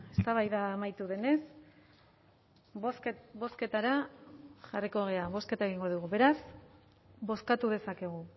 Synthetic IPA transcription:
e̞st̪aβajðaːmajt̪uðe̞ne̞s | sβo̞ske̞t̪aɾaʝariko̞ɣ̞e̞aβo̞ske̞t̪ae̞ɣiŋɡo̞ðuɣuβe̞ɾas | bo̞skat̪uðe̞sake̞ɣ̞u

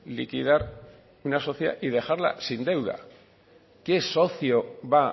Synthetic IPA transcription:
likið̞aɾ | unaso̞θja̰ʔið̞e̞xaɾla̰sind̪e̞wð̞a̰ | ke̞so̞θioβa

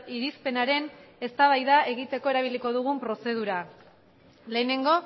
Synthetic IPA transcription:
iɾispe̞naɾe̞ne̞st̪aβajðae̞ɣit̪e̞ko̞e̞ɾaβ̞iliko̞ðuɣ̞umpɾo̞se̞ð̞uɾa | le̞ːne̞ŋɡo̞

